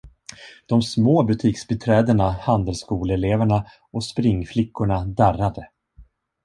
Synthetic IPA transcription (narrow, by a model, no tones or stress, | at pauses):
d̪̥ɔmsmoːbɵt̪ʰiːksbɪt̪ʰɾɛːd̪əɳahand̪əlskuːlɛleːvæɳa | ʔɔspɾɪŋːflɪkːʊɳad̪ærːad̪ə